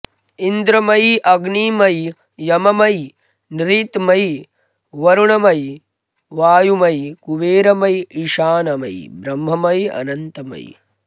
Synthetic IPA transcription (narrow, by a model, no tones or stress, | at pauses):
ind̪ɾɐmɐjʔɐɡniːmɐjː | ɐmɐmɐj | nɾiːt̪mɐj | ʋɐɾuɳɐmɐj | ʋaːjumɐjkuʋeːɾɐmɐjiʃaːnɐmɐ̰jbɾɐmːɐmɐjɐ̰nɐnt̪ɐmɐ̰j